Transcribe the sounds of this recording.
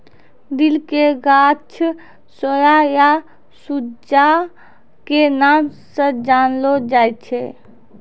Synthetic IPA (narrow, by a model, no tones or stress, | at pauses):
d̪ilkeɡat͡ʃʰ | səjaja | sud͡ʒa | kenamsə̃d͡ʒanlod͡ʒajt̪̚t͡ʃʰe